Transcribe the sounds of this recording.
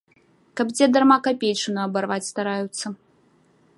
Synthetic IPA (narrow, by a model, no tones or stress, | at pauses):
kɐbd͡zʲɛd̪armakapʲejt͡ʂɨnɐɐbarvat͡sʲst̪aɾajut̪sːɐ